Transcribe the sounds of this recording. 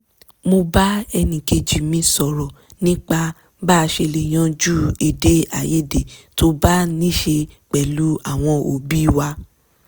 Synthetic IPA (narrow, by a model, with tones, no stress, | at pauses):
mo˧ba˦ɛ˧nĩ˨ke˨˧d͡ʒi˨mĩ˧sɔ˨ɾɔ˨ | nĩ˦k͡pa˧ | ba˦˧ʃe˧le˨j̃ã˧d͡ʒu˦i˨de˦a̰˨je˦de˨to˦ba˦nĩ˦ʃe˧k͡pɛ˨lu˨˦a˦˨w̃ɔ̃˧o˨bi˦wa˧˦